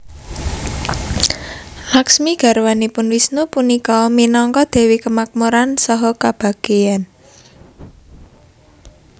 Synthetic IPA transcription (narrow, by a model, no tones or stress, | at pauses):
laksmiɡ̥ä̤ɾwanipʊnwisnupunikɔminɔŋkɔd̪̥ɛ̤wikəmak̚muɾansɔɦɔkab̥a̤ɡ̥ejan